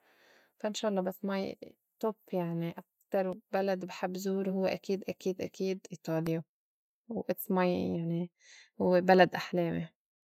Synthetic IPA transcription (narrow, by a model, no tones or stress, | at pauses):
faʔɪnʃaːʔɑlˤːɑbasːmaj | t̪opːjaʕniʔak̚t̪ɑɾˤwbalad̪bɪħabːzuːɾhʊwːeʔakiːd̪ʔakiːd̪ʔakiːd̪ʔiːt̪ˤɑːlja | wʔɪt̪smajjaʕni | hʊwːebalad̪ʔaħleːmi